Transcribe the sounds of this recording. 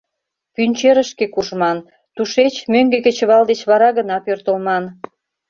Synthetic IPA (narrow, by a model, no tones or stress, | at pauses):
pynʲt͡ɕeɾə̆ʃkekuʒmɑn | t̪uʃet͡ɕmøŋɡekĕt͡ɕə̆βɑld̪et͡ɕβɑɾɑɣənɑpørt̪əlmɑn